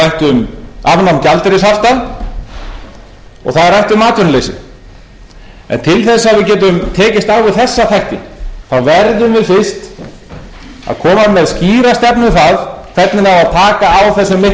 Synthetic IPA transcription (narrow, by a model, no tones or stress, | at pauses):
ajht̪ʏmavnamcalt̪ɪɾɪsaft̪a | ɔ̰ɣθaðɾrajht̪ʏmaːt̪ʰʏnleːjsɪ̰ | ɛ̰nt̪ʰɪlθɛsːaːvɪðcɛːt̪̬ʏmt̪ʰɛːcɪst̪awvɪθɛsːaθajht̪ɪ̰θawvɛɾðʏmvɪðfɪrst̪ | a̰ðkʰɔːmamɛðsciːɾast̪ɛpnʏθaðkʰv̥ɛt̪nɪnavaðt̪ʰaːkaːwθɛs̬ːʏmːɪ